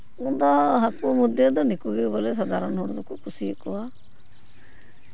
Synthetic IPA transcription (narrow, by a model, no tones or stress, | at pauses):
und̪ɔɦakumud̪jɔd̪ɔnikuɡebɔles̬ɔd̪aɾɔnɦɔɽ̃ɔd̪ɔkukʰusikɔa